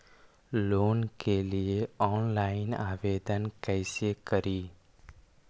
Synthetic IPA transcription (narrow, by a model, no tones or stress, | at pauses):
loːnkelieɔːnlaɪna̰ːʋed̪ənkɛɪsekəɾiː